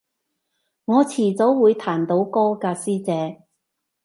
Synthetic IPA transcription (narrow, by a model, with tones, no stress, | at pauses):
ŋɔː˨˧t͡sʰiː˨˩t͡so˨˥wwuː˨˧jt̪ʰaː˨˩nt̪o˨˥wkɔː˥kaː˧siː˥t͡sɛː˨˧